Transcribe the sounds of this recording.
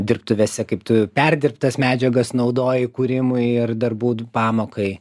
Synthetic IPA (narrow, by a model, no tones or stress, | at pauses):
d̪ʲɪrp̚t̪ʊʋʲeːsʲɛkɐɪp̚t̪ʊpʲɛrʲd̪ʲɪrpt̪ɐsmʲæːd͡ʒʲɛɡɐsnɐʊd̪oːjɪkuːɾʲɪmʊɪɪrd̪ɐrbuːpɑːmoːkɐɪ